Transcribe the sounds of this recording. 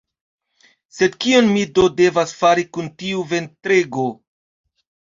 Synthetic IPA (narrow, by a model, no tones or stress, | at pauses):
se̞dkionmido̞de̞vasfaɾikuntiuve̞ntɾe̞ɡo